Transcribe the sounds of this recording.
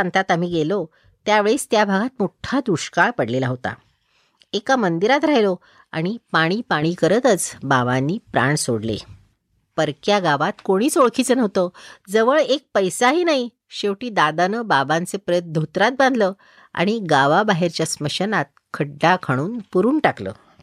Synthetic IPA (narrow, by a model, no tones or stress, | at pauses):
ant̪at̪am̤iːɡelo | t̪jaʋeɭeːst̪jabʱaɡat̪moʈʰad̪uɕkaɭpəɽlelaɦot̪a̰ | ekamənd̪iɾat̪ɾaɦjlo | a̰ɽ̃ipaɽ̃iːpaɽ̃iːkəɾət̪ət͡sbaʋanːiːpɾa̰ɳsoɽlḛ | pəɾkjaɡaʋat̪koɽ̃iːt͡soɭkʰiːt͡sənəʋt̪əd͡zəʋəɭek̚pəjsaɦiːnaɦi | ɕeʋʈiːd̪ad̪anəbabãnt͡sepɾəjət̪̚d̪ʱot̪ɾat̪̚bãnd̪ʱləː | a̰ɽ̃iɡaʋabaɦeɾt͡ɕjasməɕənat̪̚kʰəɖːakʰaɽ̃uːnpuɾuːnʈaklə̰ː